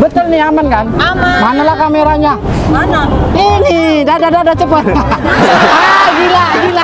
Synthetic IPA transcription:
bət̪ʊlniamankanamamanalahkameɾaɲamanainidadadadat͡ʃəpət̪ | adiladila

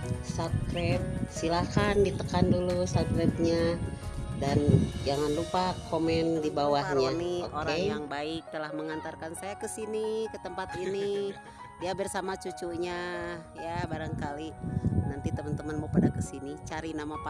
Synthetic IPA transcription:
sat̪̚kɾɛp̚silakandit̪əkandulusat̪̚kɾɛp̚ɲa | dand͡ʒaŋanlupakomɛndibawahɲaniooɾaejaŋbaɪk̚t̪əlahməŋant̪arkansajakəsinikət̪əmpat̪ini | diabərsamat͡ʃut͡ʃuɲajabaɾaŋkalinant̪it̪əmənt̪əmənmopadakəsinit͡ʃaɾinamapa

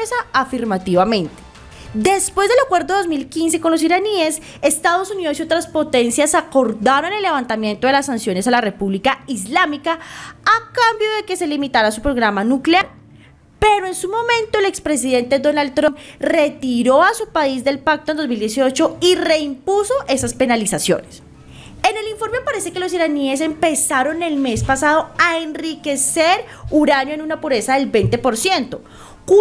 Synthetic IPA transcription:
saafiɾmat̪iβamẽ̞nt̪e̥ | d̪e̞spwe̞zd̪e̞lakwe̞ɾd̪oo̞zmilkins̬e̞ko̞nlos̬iɾanies | e̞st̪aðo̞suniðosiot̪ɾaspo̞t̪e̞nsjasako̞ɾd̪aɾone̞lːe̞βant̪amje̞nt̪o̞ðe̞lasːansjo̞ne̞salare̞puβlikaizlamikaakambjo̞ðe̞ke̞se̞limit̪aɾasupɾo̞ɣɾamanukleaɾ | pe̞ɾoe̞nsumo̞mẽ̞nt̪o̞ele̞kspɾe̞s̬iðe̞nt̪e̞d̪o̞nald̪̚t̪ːɾomre̞t̪iɾo̞asupaizd̪e̞lpak̚t̪ond̪ozmild̪jesio̞t͡ʃo̞ire̞impuso̞ʔe̞saspe̞nalisasjo̰nes | ene̞liɱfo̞ɾmepaɾe̞se̞ke̞lo̞s̬iɾanie̞s̬e̞mpe̞saɾo̞ne̞lme̞spasaðo̞aenrike̞seɾ | uɾanjoenunapuɾe̞saðe̞lbejnt̪e̞po̞ɾsje̞nt̪o̞ | k

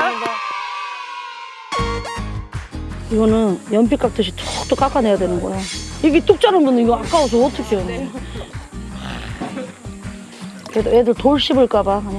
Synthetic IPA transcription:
a | iɡʌnɯnjʌnp̬ʰik͈ak̚t͈ɯɕ̬ʰit͈ʌk̚t͈ok͈ak͈ane̞jadwe̞nɯnɡʌeoiɡit͈uk̚t͡ɕ͈aɾɯnbunɯniɡʌak͈aos̬ʰʌʌt͈ʰʌkʰejʌnːe | ededotoɭɕ͈ibɯɭk͈abaɦn

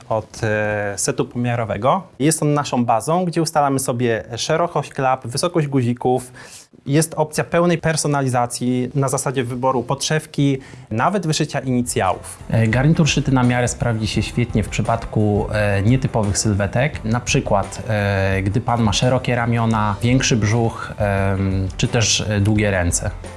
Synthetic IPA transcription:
ɔt̪sɛt̪upɔmʲjaɾɔvɛ̰ɡɔjɛst̪ɔnːaʂɔ̃w̃bazɔ̃w̃ɡd͡ʑɛust̪alamɘsɔbʲjɛʂɛɾɔkɔɕt͡ɕklapvɘsɔkɔd͡ʑɡuʑikuf | jɛst̪ɔp̚t̪sʲjapɛwnɛjpɛɾsɔnalʲizat̪sʲjinazasad͡ʑɛvɘbɔɾupɔtʂɛfkʲinavɛd̪vɘʂɘt͡ɕaʔiɲit̪sʲja̰wṵfɡaɾɲit̪uɾʂɘt̪ɘnamʲjaɾɛspɾavd͡ʑiɕɛɕfʲjɛt̪ɲɛfpʂɘpat̪kuɲɛt̪ɘpɔvɘxsɘlvɛt̪ɛknapʂɘkwat̪ɡd̪ɘpanmaʂɛɾɔkʲɛɾamʲjɔnavʲjɛŋkʂɘbʐux | t͡ʂɘt̪ɛʐd̪wuɡʲɛɾɛnt̪sɛ

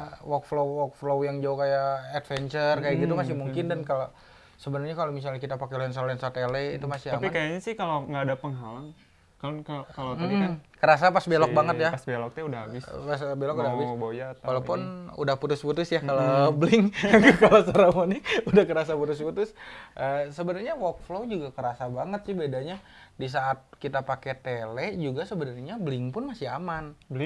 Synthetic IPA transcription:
wɔkflowɔk̚flowjaŋd͡ʒaukajaɛt̪̚fɛɲt͡ʃərkajaɡit̪umasɪhmuŋkɪndankalo | səbənarɲakalomis̬alɲahkit̪apakelɛnsaloɛnsat̪elɛit̪umasɪaamiakajaɲasɪhkaloŋɡaːdapəŋɦalaŋ | kaakalotmikankəɾas̬apasbelɔbaŋət̪japasbelɔk̚t̪ɛudahabɪsasbelɔkudaɦabɪsbojat̪walapʊnṵdahput̪ʊsput̪ʊsjakalablɪŋkalosaɾamonɪudahkəɾas̬aput̪ʊs̬put̪ʊsʔəsəbənarɲawɔk̚flod͡ʒuɡakəɾasabaŋət̪̚sɪbedaɲa | dis̬aʔːt̪̚kit̪apakɛt̪elɛʔd͡ʒuɡasəbənarɲabəlɪŋpʊnmasɪamanblŋ

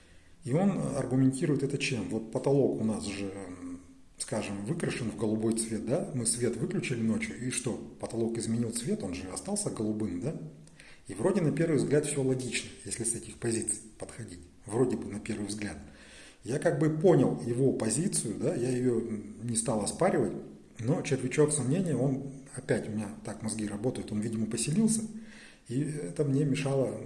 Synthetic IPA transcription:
io̞nɐ̰rɡʊmʲɪnʲtʲiɾʊjɪt̪ɛt̪ət͡ɕemvo̞t̪̚pət̪ɐlˠo̞kʊnasʐɨ | skaʐɨmvɨkɾəʂɨnvɡəlˠʊbo̞jt̪svʲe̞t̪̚d̪amɨsvʲe̞t̪vɨklʲʉt͡ɕɪlʲɪno̞t͡ɕjʊiʂt̪o̞pət̪ɐlˠo̞kɪzmʲɪnʲilˠt̪svʲe̞t̪o̞nʐɨɐ̰st̪ɑlˠsʲəɡəlˠʊbɨmd̪a | ivro̞dʲɪnɐpʲe̞rvɨjvzɡlʲat̪fsʲo̞lˠɐɡʲit͡ɕnəjesʲlʲɪsɛtʲɪxpɐzʲit̪sɨ̥jpət̪xɐdʲitʲ | vɾo̞dʲɪbɨnɐpʲe̞rvɨjvzɡlʲat̪ | jakaɡ̚bɨpo̞nʲɪlˠjɪvo̞pɐzʲit̪sɨjʊd̪ajajɪjo̞nʲɪst̪ɑlˠɐspaɾʲɪvətʲ | no̞t͡ɕɪrt̪vʲɪt͡ɕo̞ksɐmnʲenʲɪjəo̞nɐpʲætʲʊmʲɪnʲat̪akmɐzɡʲiɾɐbo̞t̪əjʊt̪o̞nvʲidʲɪməpəsʲɪlʲilˠsʲə | iɛt̪əmnʲe̞mʲɪʂɑlˠə

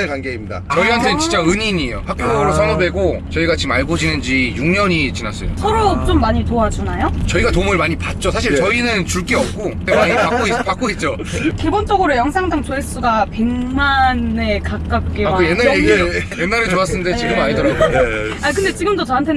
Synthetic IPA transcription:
kanɡeimɲida̰t͡ɕʌiɦantʰe̞t͡ɕint͡ɕ͈aɯɲiɲiejo̰hakp͈joɾosʰanʌbe̞ɡot͡ɕʌiɡat͡ɕimaɭɡod͡ʑinɯnd͡ʑijuŋɲʌɲit͡ɕinas͈ʌ̰jo̰sʰʌɾot͡ɕomːaɲitoad͡ʑanajot͡ɕʌiɡatomɯɭmaɲipat̚t͡ɕ͈osʰaɕ̬ʰiɭt͡ɕʌinɯnt͡ɕuɭk͈eʌp̚k͈otemaɲiak͈oipak͈oet̚t͡ɕ͈o | kebont͡ɕ͈ʌɡɯɾojʌŋsʰaŋdaŋt͡ɕoes͈uɡape̞ŋmane̞kakk͈ak̚k͈eakojenːaeejenːaɾet͡ɕoas͈ɯnndet͡ɕiɡɯmaɲidɯɾaɡoakɯnde̞t͡ɕiɡɯmdot͡ɕʌɦantʰe̞

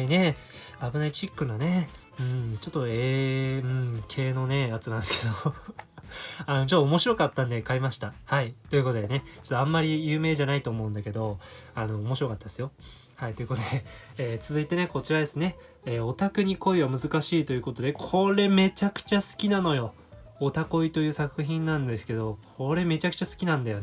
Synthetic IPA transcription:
ne̞ | abɯ̟nait͡ɕikːɯ̟nane̞ | ɯ̟̃ːɴt͡ɕo̞t̪ːoeɯ̟̃ɴkʰe̞ːno̞ne̞at͡sɨnãnesɨ̥ked̪o̞ | ano̞t͡ɕotːoomo̞ɕiɾo̞kat̪ːãnd̪e̞kaimaɕi̥t̪ahait̪o̞ji̟ko̞t̪o̞d̪ene̞t͡ɕot̪ːoãmːaɾʲijɯ̟ːme̞ːʑanait̪o̞ːmo̞ɯ̟̃nd̪ake̞d̪o̞ano̞ːmo̞ɕiɾo̞kat̪ːad̪esɨjo | hait̪o̞jɯ̟kot̪od̪e̞eːt͡sɨzɨit̪e̞ne̞ko̞t͡ɕiɾad̪e̞sɨne̞ | eːo̞t̪akɯ̟ɲ̟iko̞iβamɯ̟zɨkaɕiːt̪o̞jɯ̟ko̞t̪o̞d̪e̞kʰo̞ɾe̞me̞t͡ɕakɯ̟̥t͡ɕasɨ̥kʲinano̞jo̞ː | t̪ako̞it̪o̞jɯ̟ːsakɯ̟çĩnːãnd̪esɨ̥ke̞d̪o̞kʰo̞ɾe̞me̞t͡ɕakɯ̟̥t͡ɕasɨ̥kʲinãnd̪ajo̞e

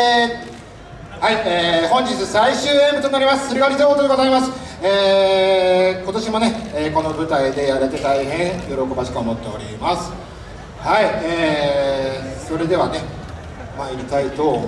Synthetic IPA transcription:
haieːhõ̞ɲ̟d͡ʑit͡sɨsaiɕɨːẽmbɯt̪onaɾʲimasɨ̥sɨɾiɡaɾʲizoːt̪oeɡozaimasɨ̥ | eː | ko̞t̪o̞ɕimo̞ne̞eːko̞no̞bɯ̟t̪aid̪e̞jaɾet̪e̞t̪aiɦẽ̞jo̞ɾo̞ko̞baɕi̥kɯomot̪ːe̞o̞ɾʲimasɨ̥ | haieː | so̞ɾe̞d̪e̞ane̞ | maiɾʲit̪ait̪o̞

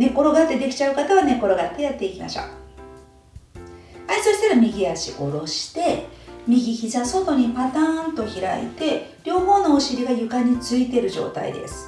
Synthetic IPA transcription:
ne̞ko̞ɾo̞ɡat̪ːe̞d̪e̞kʲi̥t͡ɕaɯ̟kat̪aβane̞ko̞ɾo̞ɡat̪ːe̞jat̪ːe̞ikʲima̰ɕo̰ | aisoɕi̥t̪eɾamʲiɡʲijaɕḭo̞ɾo̞ɕi̥t̪e̞mʲiɡʲiçizaso̞t̪o̞ɲ̟ipat̪ãːnt̪o̞çiɾa̰ḭt̪e̞ɾʲo̞ːmo̞nooɕiɾʲiɡajɯ̟kaɲ̟it͡sɨit̪e̞ɾɯ̟ʑo̞̰ːt̪a̰ḭd̪e̞̰sɨ̥

